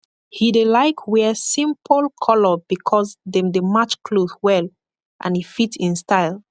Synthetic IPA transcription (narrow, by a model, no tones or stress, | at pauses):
hidelaɪkwɛsĩmpʰəlkʰɔlɔbikʰɔzðɛ̃mdemat͡ʃkʰloθwɛl | ʔã̰nifitĩnstaɪl